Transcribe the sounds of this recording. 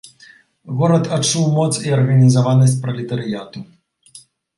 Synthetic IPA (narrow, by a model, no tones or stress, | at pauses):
ɣɔɾɐt̪at͡ʂuwmɔt̪siɐrɣɐnʲizavanɐsʲt͡sʲpɾɐlʲit̪ɐɾɨjat̪u